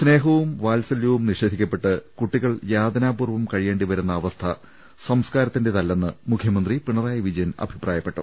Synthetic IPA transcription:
sne̞ːɦɐʋumʋaːlsɐljɐʋumniʂed̪ʱikʲːɐpːe̞ʈːɨkuʈːiɣɐɭjaːd̪ɐnaːpuːrʋɐmkɐɻije̞ːɳɖiʋɐɾunːɐːʋɐst̪ʰɐ | sɐmskaːɾɐt̪ːinde̞t̪ɐlːenːɨmukʰjɐmɐnd̪ripiɳɐraːjɐʋid͡ʑɐjɐnɐ̰bʱiprʔaːjɐpːe̞ʈːṵ

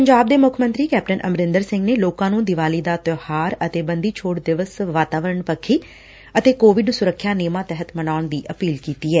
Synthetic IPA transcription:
pəɲd͡ʒaːb̚d̪eːmʊkʰmə̃nt̪ɾiːkɛːp̚ʈənʔə̰mɾɪ̃nd̪əɾsɪ̃ŋɡneːloːkãːnũːd̪ɪʋaːliːd̪aːt̪ʊhaːɾət̪eːbənd̪iːt͡ʃʰoːʈd̪ɪʋəsʋaːt̪aːʋəɾəɳpəkʰːiː | ət̪eːkoːʋɪɖsʊɾəkʰːjaːneːmãːt̪ɛɦət̪mənaːʊɳd̪iːʔəpiːlkiːt̪iːɛː

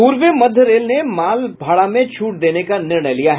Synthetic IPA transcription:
uːɾʋəmɐd̪ʱːəɾeːlnemaːlbʱaːɭamẽt͡ʃʰuːʈ̚d̪eːnekanɪɾɳəjlijaɦ

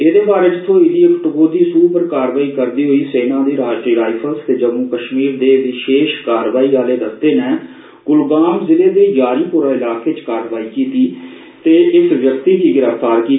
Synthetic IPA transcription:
eːd̪eːbaːɾeːd͡ʒɪt̪ʰːõːɪliːəkʈoɡoːd̪iːsuːpəɾkaːɾʋaːiːkəɾd̪iːɦoiːseːnãːd̪iːɾaːʃʈɾiːɾaːɪpʰəlst̪eːd͡ʒəmũːkəʃmiːɾd̪eːʋɪʃeːʃkaːɾʋaːiːaːleːd̪əst̪eːnɛː | ɡ̥ʊlɡaːmzɪleːd̪eːjaːɾiːpuːɾaːɪlaːkeːt͡ʃkaːɾʋaːiːkiːt̪iː | t̪eːʔɪsʋjəkt̪iːkiɡɪɾəft̪aːɾkiː

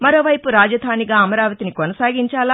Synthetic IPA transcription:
mɐɾo̞ːʋɐjpuɾaːd͡ʒɐd̪ʱaːniɡaːɐmɐɾaːʋɐt̪inikonɐsaːɡiɲt͡ʃaːla

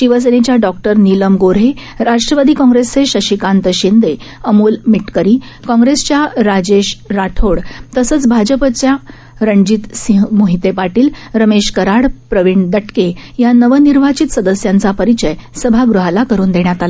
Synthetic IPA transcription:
ɕiʋəs̬enet͡ɕjaɖɔk̚ʈəɾniləmɡoɾɦe | ɾaʂʈɾəʋad̪iːkɔ̃ŋɡɾesːeɕəɕikãnt̪əɕind̪eəmuːlmiʈkəɾiː | kɔ̃ŋɡɾest͡ɕjaɾad͡ʑeɕɾaʈʰoɽt̪əsəːt͡sbʱad͡ʑəpət͡ɕja | ɾəɳd͡ʑit̪sĩɦmoɦit̪epaʈiːlɾəmeɕkəɾaɽpɾəʋiɳd̪əʈkejanəʋəniɾʋ̤ʱat͡ɕit̪səd̪əsjant͡sapəɾit͡ɕəjsəbʱaɡɾuɦalakəɾuːnd̪eɳjat̪ala

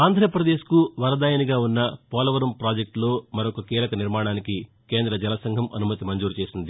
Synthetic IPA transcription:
aːnd̪ʱɾɐɐpɾɐd̪e̞ːʃkuʋɐɾɐd̪aːjɐniɡaːunːɐpɔːlɐʋɐɾumpɾaːd͡ʒek̚ʈlo̞ːmɐɾokɐkiːlɐkɐniɾmaːɳaːniki | keːnd̪ɾɐd͡ʒɛlɐsɐŋɡʱɐmɐ̰numɐt̪imɐɲd͡ʒuːɾut͡ʃe̞ːsind̪i

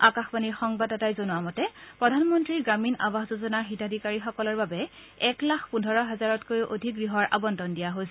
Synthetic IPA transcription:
akaxbaniɹxɔŋbadɔtajzonʊwamɔtɛpɹɔdʱanmɔntɹiɹɡɹamina̰baɦzozɔnaɹxitadʱikaɹixɔkɔlɔɹbabɛ | ɛklaxʰpundʱɔɹɔɦazaɹɔtkojʔodʱikɡɹiɦɔɹʔa̰bɔndɔndijaɦojs

